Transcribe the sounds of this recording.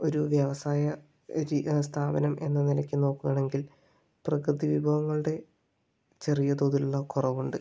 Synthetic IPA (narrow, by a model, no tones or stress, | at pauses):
o̞ɾuʋjɐʋɐsaːjɐ | ɾist̪ʰaːbɐnɐme̞̰nːɐnilɐkʲːɨno̞ːkːuɣɐɳe̞ŋɡil | prɐkrɨðiʋibʱɐʋɐŋːɐɭɨɽe̞ | t͡ɕe̞rijɐd̪oːðiluɭːɐkurɐʋuɳɖɨ